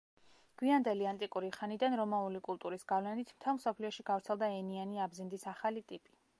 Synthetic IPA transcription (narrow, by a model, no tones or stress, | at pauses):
ɡ̥wiand̪ɛliant̪ʼikʼuɾiχanid̪anɾɔmaulikʼulˠt̪ʼuɾisɡavlɛnit̪ʰm̥t̪ʰɛlˠmsɔpʰliɔʃiɡavɾt̪sʰɛlˠd̪aɛnianiabzind̪isaχalit̪ʼipʼi̥